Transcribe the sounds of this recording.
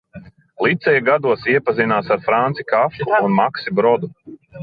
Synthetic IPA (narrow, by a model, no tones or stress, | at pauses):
lˠit̪sɛjaɡad̪uɔsiɛpazinaːsaɾfɾant̪sikafuːnmaksibɾɔd̪u